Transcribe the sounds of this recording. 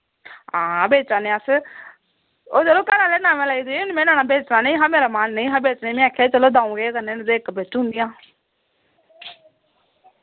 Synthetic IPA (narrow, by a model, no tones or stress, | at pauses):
ɦãːabeːt͡ʃaːnẽːəs | oːt͡ʃəloːkənãːleːnaːmẽːlaiːd̪eʊnmẽːnaːnaːbeːt͡ʃnaːneĩɦãːmeːɾaːmaːnːeĩːɦãːbeːt͡ʃnẽːmẽːaːkʰːeːt͡ʃəloːd̪ãːũːɡeːkəneːnd̪eːkbeːt͡ʃɦʊ̃nd̪ɪjãː